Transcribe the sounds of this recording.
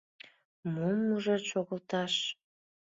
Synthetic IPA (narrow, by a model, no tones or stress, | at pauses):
momuʒot͡ɕoɣəlt̪ɑʃ